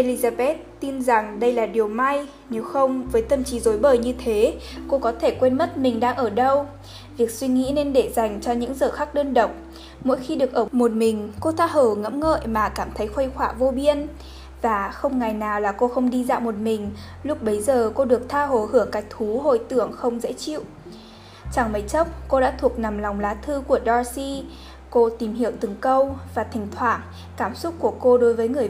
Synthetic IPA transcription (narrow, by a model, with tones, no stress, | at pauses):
ʔe˧li˧zaː˧ɓɛ˦˥t̚t̪i˧nza˨˩ŋɗə˧jlaː˨˩ɗi˨˩əwma˧j | ne˨˦wxə˧wŋ͡mvəː˨˦jt̪ə˧˩mt͡ɕi˨˦zo˨˦jɓəː˨˩jɲɨ˧t̪ʰe˨˦ko˧kɔ˨˦t̪ʰe˧˩kwe˧nmə˦˥t̚mï˨˩ŋ̟ɗaː˧ŋʔəː˧˩ɗə˧w | vi˨˩ək̚swi˧ŋḭ˧˥ne˧nɗe˧˩za˨˩jŋ̟t͡ɕɔ˧ɲɨ̰˧˥ŋzəː˨˩xa˦˥k̚ɗəː˧nɗə̰˧˨wŋ͡m | mo̰˧˥jxi˧ɗɨ˨˩ək̚ʔəː˧˩mo˨˩t̚mï˨˩ŋ̟ko˧t̪ʰaː˧ɦəː˧˩ŋə̰˧˥mŋə̰˧˨jmaː˨˩kaː˧˩mt̪ʰə˨˦jxwə˧jxwaː˧˩vo˧ɓi˧ən | vaː˨˩xə˧wŋ͡mŋa˨˩jnaː˨˩wlaː˨˩ko˧xə˧wŋ͡mɗi˧za̰ː˧˨wmo˨˩t̚mï˨˩ŋ̟ | lʊ˦˥k͡p̚ɓə˨˦jzəː˨˩ko˧ɗɨ˨˩ək̚t̪ʰaː˧ɦo˧˩hɨ˧˩əŋka˨˦˥j̚t̪ʰu˨˦ɦo̰˧˨jt̪ɨ˧˩əŋxə˧wŋ͡mzə̰˧˥t͡ɕḭ˧˨w | t͡ɕaː˧˩ŋmə˨˦jt͡ɕə˦˥k͡p̚ko˧ɗa̰ː˧˥t̪ʰu˨˩ək̚na˨˩mlɔ˨˩wŋ͡mlaː˨˦t̪ʰɨ˧ku˧˩əɗɔ˧si˧ | ko˧t̪i˨˩mhi˧˩əwt̪ɨ˨˩˦ŋkə˧wvaː˨˩t̪ʰi˨˩ŋ̟t̪ʰwaː˧˩n | kaː˧˩msʊ˦˥t̚ku˧˩əko˧ɗo˨˦jvəː˨˦jŋɨ˨˩ə